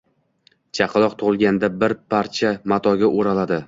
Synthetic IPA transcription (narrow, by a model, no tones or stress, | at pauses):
t͡ʃʰɑqʰɨlˠɒq̚t̪ʰʊʁɨlˠɡʲand̪abɪɾpʰaɾt͡ʃʰamat̪ʰɒɡʲaʔoɾalad̪ɪ